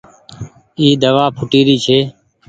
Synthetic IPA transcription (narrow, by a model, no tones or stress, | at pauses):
iːd̪əʋaːpʰʊʈiːɾiːt͡ʃʰeː